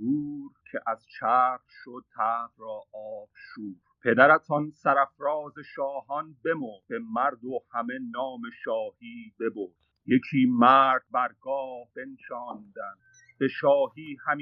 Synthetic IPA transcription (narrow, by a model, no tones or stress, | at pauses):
uːɾkʰeʔæzt͡ʃʰæːɾʃod̪̚t̪ʰæːfɾɒːʔɒːb̥ʃuːɾpʰe̞d̪æɾæt̪ʰɒnsæɾæfɾɒːze̞ʃɒːɦɒnbe̞mobe̞mæɾd̪ohæme̞nɒːme̞ʃɒːhiːbe̞boɾd̪̥ | jecʰiːmæːɾd̪̚bæɾɡɒːhbe̞nʃɒːnd̪æn | b̥e̞ʃɒːhiːhæm